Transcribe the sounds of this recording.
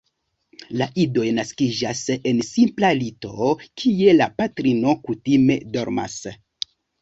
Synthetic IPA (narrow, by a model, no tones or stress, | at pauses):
laʔido̞jnaskid͡ʒase̞nsimplalito̞kʰije̞lapatɾino̞kutime̞̰do̞ɾma̰s